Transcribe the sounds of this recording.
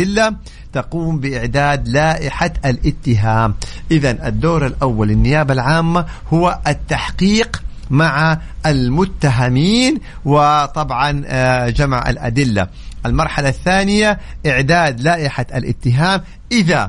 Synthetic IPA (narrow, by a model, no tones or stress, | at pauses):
ɪlːa | t̪aquːmbɪʔɪʕd̪aːd̪laːʔɪħaʔalʔɪt̪ːɪɦaːmʔɪðanʔad̪ːoːɾalʔawːalːɪnːɪjaːbalʕaːmːahʊwaʔat̪ːaħqiːq | maʕa | ʔalmʊt̪ːaɦamiːnwɪt̪ˤɑbʕɑnd͡ʒamʕʔa̰lʔa̰d̪ɪlːa̰ | ʔalmɑɾˤħalaθːaːnɪjaʔɪʕd̪aːd̪laːʔɪħaʔalʔɪ̰t̪ːɪɦaːm | ʔɪða